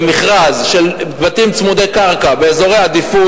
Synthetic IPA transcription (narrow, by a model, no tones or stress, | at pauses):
miχʁazʃe̞lbat̪imt͡smud̪ekaʁkabeːzo̞ʁejad̪ifu